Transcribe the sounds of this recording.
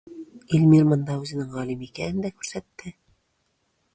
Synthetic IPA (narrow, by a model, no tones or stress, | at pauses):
ilʲmiɾmɤ̆nd̪ɑʉzɘ̆nɘŋʁɑlʲimikænɘnd̪ækʉɾsæt̪ːɘ